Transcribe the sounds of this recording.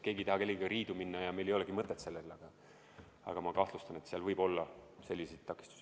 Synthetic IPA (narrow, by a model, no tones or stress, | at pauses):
ke̞ːɡit̪ehɑkelʲːikɑriːd̪uminːɑjɑme̞jlejoleɡ̥imɤt̪ːˑet̪se̞lːelɑɡ̥ɑ | ɑ̰ɡ̥ɑmɑkɑht̪lust̪ɑne̞t̪seɑlvɤjbo̞lːɑse̞lːiset̪̚t̪ɑkːˑi̥st̪u̥si̥